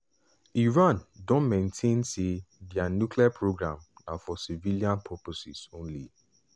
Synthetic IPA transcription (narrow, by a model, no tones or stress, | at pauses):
iɹãndõnmẽntʰẽnsibianjukliapʰɹoɡɾãmnãfɔsiviliãnpʰɔposḭsõnlḭ